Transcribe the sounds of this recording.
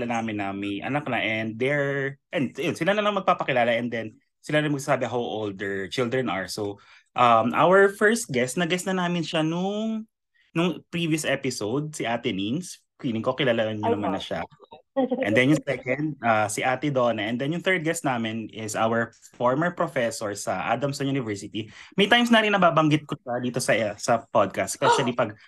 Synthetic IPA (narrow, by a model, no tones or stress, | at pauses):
lanaːmɪnːɐmɐjʔɐ̰nɐk̚nɐʔɛnd̪̚ːɛɹʔɛnd̪jonsɪlanɐlɐŋmɐɡ̚paːpɐkɪlaːlɐʔɛnd̪ɛn | sɪlanɐjŋmɐɡ̚saːsaːbɛɦawʔold̪ɛɹt͡ʃɪld̪ɹɛnɐ̰ɹsow | ʔɐmʔa̰wɛɹfɛɹst̪̚ɡɛst̪nɐɡɛst̪nɐnaːmɪnʃanʊŋ | nʊŋpɹiːviʊsʔɛpɪsowd̪̚sɪʔaːt̪ɪnins | kwiːnɪŋkokɪlaːlanɲːɐnɐmanːɐʃa̰ | ʔɛnd̪ɛnjʊŋsɛkɛnd̪̚asɪʔaːt̪ɛd̪onɐʔɛ̃nd̪ɛnjʊŋt̪ɛɹd̪̚ɡɛst̪̚naːmɪnɪsʔa̰wɛɹfoɹmɛɹpɾofɛsoɹsɐʔa̰d̪ɐmsɐjuːnɪvɛɹsɪt̪imɛjt̪ajmsnaːɾɪŋnɐbaːbɐŋɡɪt̪̚koʃɐd̪iːt̪osɐsɐpod̪̚kɐst̪ːspɛʃɐlipɐɡ̚